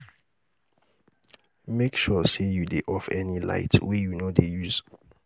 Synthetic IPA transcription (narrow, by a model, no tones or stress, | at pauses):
mekʃɔsejudeʔɔfɛnila̰ɪtwɛjunodejuz̥